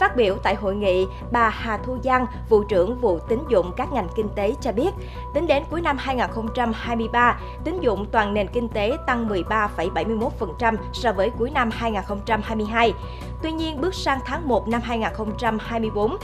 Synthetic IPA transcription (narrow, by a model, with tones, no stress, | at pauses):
faː˦˥t̚ɓi˧˩əwt̪a̰ː˧˨jɦo̰˧˨jŋḭ˧˨ | ɓaː˨˩haː˨˩t̪ʰu˧zaː˧ŋ | vṵ˧˨t͡ɕɨ̰˧˩əŋvṵ˧˨t̪ï˨˦ŋ̟zʊ̰˧˨ŋ͡mkaː˦˥k̚ŋa˨˩jŋ̟kï˧ŋ̟t̪e˨˦t͡ɕɔ˧ɓi˦˥ət̚ | t̪ï˨˦ŋ̟ɗe˨˦nku˨˦əjna˧mhaː˧jŋaː˨˩nxə˧wŋ͡mt͡ɕa˧mhaː˧jmɨ˧əjɓaː˧ | t̪ï˨˦ŋ̟zʊ̰˧˨ŋ͡mt̪waː˨˩nne˨˩nkï˧ŋ̟t̪e˨˦t̪a˧ŋmɨ˨˩əjɓaː˧fə˧˩jɓa˧˩jmɨ˧jmo˦˥t̚fə˨˩nt͡ɕa˧msɔ˧vəː˨˦jku˨˦əjna˧mhaː˧jŋaː˨˩nxə˧wŋ͡mt͡ɕa˧mhaː˧jmɨ˧əjɦaː˧j | t̪wi˧ɲi˧ənɓɨ˦˥k̚saː˧ŋt̪ʰaː˨˦ŋmo˨˩t̚na˧mɦaː˧jŋaː˨˩nxə˧wŋ͡mt͡ɕa˧mhaː˧jmɨ˧əjɓo˨˦n